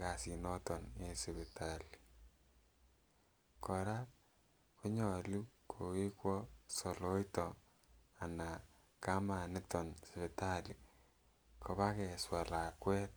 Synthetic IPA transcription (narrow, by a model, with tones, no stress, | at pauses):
ka˨si˨nɔ˦tɔ˨ne˨sɪ˨βi˨ta˦li̥˨ | kɔ˨ɾa˦ | ko˦ɲɔ˨lu˦kʰo˨ki˦kwɔ˦so˨lo˦jtɔ˨ | a˨na˨ | ka˦ma˨nɪ˦tɔ˨nsi˨βi˨ta˦li˨ | ko˨βa˦kɛ˨swa˨la˨kwɛ˦t